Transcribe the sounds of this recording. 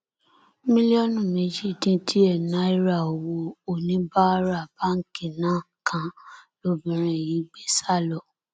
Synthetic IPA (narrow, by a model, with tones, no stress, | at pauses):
mĩ˦li˦ɔ˦nũ˦˨me˨˦d͡ʒi˦˨tĩ˧tʰi˦ɛ˦˨na˨˦i˦ɾa˦˨o˨wo˧o˨nĩ˨˦ba˦ɾa˦˨ba˦ŋ̩˨˦ki˨nã˦ | kʰã˧lo˦bĩ˨ɾ̃ɛ̃˨ji˨˦ɡ͡be˦sa˦˨lɔ˨